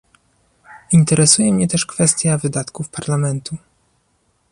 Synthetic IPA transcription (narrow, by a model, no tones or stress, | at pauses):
int̪ɛɾɛsujɛmɲɛt̪ɛʂkfɛst̪ʲjavɘd̪at̪kufpaɾlamɛnt̪u